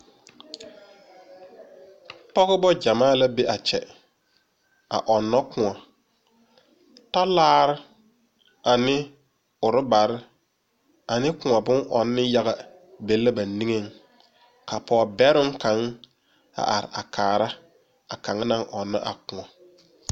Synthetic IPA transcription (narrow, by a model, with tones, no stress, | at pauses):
pɔ˦ɣɪ˦bɔ˦d͡ʒa˨maː˦la˦be˦ʔa˨t͡ʃɛ̰˨ | a̰˨ʔɔ˨nːɔ˦kʊ̃˨ɔ˨ | ta˦laː˦ɾɪ˦ | a˨nɪ˦ | ʊ˨ɾɪ˦ba˨ɾɪ˦ | a˨nɪ˦kʊ̃˨a˨bʊ˦ŋʔɔ˨nːɪ˦ja˦ɣa˨ | be˨lːa˦ba˨ni˦ŋe˦ŋ | ka˨pʰɔː˨bɛ˦ɾɪ˦ŋka˨˦ŋ | a̰˨ʔa˨ɾɪ̰˨a̰˨kʰaː˨ɾa˦ | a˨ka˨ŋ˦na˦ŋʔɔ˨nːa̰˦ʔa̰˨kʊ̃˨ŋɔ˨